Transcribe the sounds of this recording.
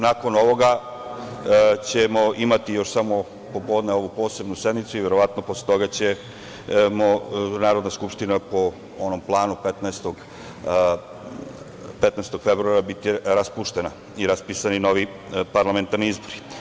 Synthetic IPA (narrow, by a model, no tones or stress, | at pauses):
nako̞no̞ʋo̞ɡa | t͡ɕe̞mo̞ʔimat̪ijo̞ʃsamo̞ | po̞po̞d̪neo̞ʋupo̞ːse̞bnusje̞d̪mit̪suiʋe̞ɾoʋat̪nopo̞slet̪o̞ɡat͡ɕe | monaːɾo̞d̪naskupʃt̪inapo | onomplˠaːnupet̪nɛst̪oɡ | pet̪nɛest̪o̞ɡ̥fe̞bɾuaɾabit̪iɾaspuʃt̪ena | iɾaspisanino̞ʋi | paɾlame̞nt̪aɾniizbo̞ɾi̥